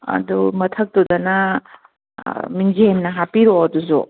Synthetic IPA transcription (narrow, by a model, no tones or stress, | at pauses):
ɐ̰d̪umɐt̪ʰɐk̚t̪ud̪ɐnɐ | minziɦenːɐɦapiɾoɐd̪uzo̰